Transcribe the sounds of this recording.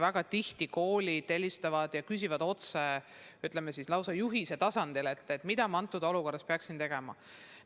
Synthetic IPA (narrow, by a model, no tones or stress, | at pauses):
væɡ̥ɑt̪iht̪iko̞ːlʲit̪e̞lʲːist̪ɑvɑd̪̥jɑkys̬ʲivɑd̪o̞t̪se | yt̪ˑlemesislɑwsɑjuɦiset̪ɑsɑnd̪̥ile̞t̪ːˑet̪ːˑmid̪ɑmɑɑnt̪ːˑud̪̥o̞luko̞rːɑspeɑksint̪e̞ɡ̥e̞mɑ̰